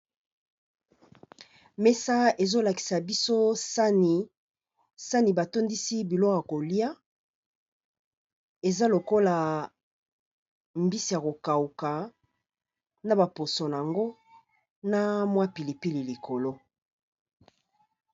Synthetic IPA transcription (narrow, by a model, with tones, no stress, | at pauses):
me˦sa˦e˨zo˦la˨ki̥˨sa˨bi˦so˦sa˦ni˨ | sa˦ni˨ba˨to˦ndi˦si˦bi˨lɔ˦ka˨ko˨li˦a˦ | e˨za˦lo˨ko˦la˨ | mbi˦si˨ja˨ko˨ka˨u˨ka˨ | na˦ba˨po˨so˨na˨a˨ŋɡo˦ | na˦mwa˦pi˨li˨pi˦li˨li˨ko˨lo˦